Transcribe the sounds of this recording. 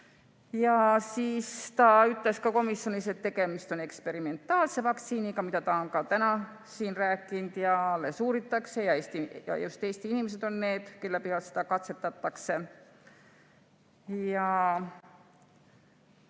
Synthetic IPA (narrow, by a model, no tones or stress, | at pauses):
jɑsiːst̪ɑyt̪ːˑle̞skɑko̞misjo̞nise̞t̪ːe̞ɡe̞mist̪o̞ne̞kspe̞ɾime̞nt̪ːˑɑːlsevɑkt̪siːnikɑmit̪æt̪ɑoŋkɑt̪ænɑ | siːnræːkːˑind̪̥jɑlesuːɾit̪ːˑɑkse̞jɑeːst̪ijɑ̰jjust̪eːst̪iinimes̬e̞d̪̥o̞nːne̞ːd̪̥kelːæpihɑlsi̥t̪ɑkɑt̪se̞t̪ːɑt̪ːɑkse | jɑ